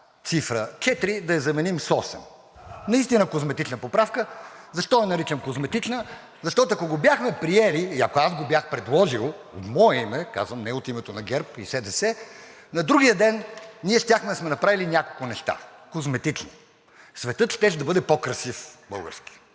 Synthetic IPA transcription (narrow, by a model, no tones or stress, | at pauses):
t̪sifɾət͡ʃɛt̪ɾid̪ɐɐzɐmɛnimsɔsɛ̰m | nɐist̪inəkozmɛt̪it͡ʃnəpopɾafkəzɐʃt̪ɔɛnɐɾit͡ʃɛmkozmɛt̪it͡ʃnə | zɐʃt̪ɔt̪oɐkoɡobʲjaxmɛpɾiɛliːɐ̰koazɡobjaxpɾɛd̪lˠɔʒilˠ | o̰t̪mɔɛimɛka̰zvəmnɛot̪imɛt̪onɐɡʲɛɾpḭsɛd̪ɛsɛ | nɐd̪ɾuɡʲijəd̪ɛnniɛʃt̪ʲjaxmɛd̪ɐsmɛnɐpɾavilinʲakolˠkʊnɛʃt̪a̰kozmɛt̪it͡ʃno | svɛt̪ɤt̪ʃt̪ɛʃ̬d̪ɐbɤd̪ɛpokɾɐsifbɤlˠɡə̰ɾski̥